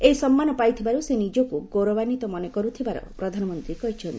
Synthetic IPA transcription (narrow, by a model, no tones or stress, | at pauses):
ejsɔmːanɔpajt̪ʰibaɾusenid͡ʒɔkuɡoɾɔbanit̪ɔmɔnekɔɾut̪ʰibaɾɔ̰pɾɔd̪ʱanɔmɔnt̪ɾikɔɦit͡ʃʰɔnt̪ii